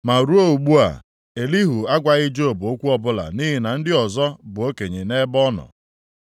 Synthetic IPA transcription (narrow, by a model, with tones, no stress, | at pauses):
ma˨ɾu˦o˦u˨ɡ͡bu˦a̰˨ | e˨li˦ɦu˨a˦ɡʷa˨ɣɪ˦d͡ʒo˦o˨bʊ˨o˦kʷu˦ɔ˦bʊ˦la̰˨ni˦ɦɪ˨˦na˨n̩˦dɪ˦ɔ˨zɔ˦bʊ˨o˦ke˨ɲe˨ne˦bɔ˦nɔ̰˨